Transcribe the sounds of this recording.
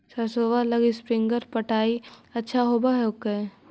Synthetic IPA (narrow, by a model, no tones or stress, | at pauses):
sɐɾsoːʋalɐɡispɾɪ̃ŋɡəɾpəʈʰaːiɐtːʃʰaɦoːbaɦɛʊkːe